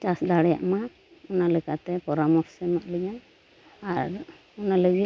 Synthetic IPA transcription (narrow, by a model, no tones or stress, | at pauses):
t͡ʃasd̪aɽɛja̰ʔma | ɔnalɛkat̪ɛpɔɾamɔɾsɛmaʔləɡan | aɾ | ɔnaləɡi